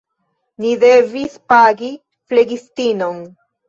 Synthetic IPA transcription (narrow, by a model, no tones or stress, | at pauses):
nidevispaɡi | fleɡistinon